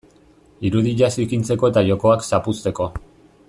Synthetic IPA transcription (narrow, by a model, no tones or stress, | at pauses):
iɾuðiʎasikint͡se̞ko̞et̪aʝo̞ko̞aksapust̪e̞ko̞